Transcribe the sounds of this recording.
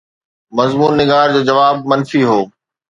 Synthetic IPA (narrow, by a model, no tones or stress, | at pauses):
mɐzmuːnːɪɡaːɾd͡ʑoːd͡ʑɐʋaːb̚mɐnfiɦoː